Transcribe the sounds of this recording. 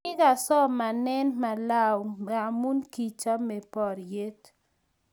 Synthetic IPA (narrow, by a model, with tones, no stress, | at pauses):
ɪ˦ka˨sɔ˦ma˨nɛ˦nma˨la˦wa˨mu˦nki˨t͡ʃa˦me˨pɔ˨ɾje˦t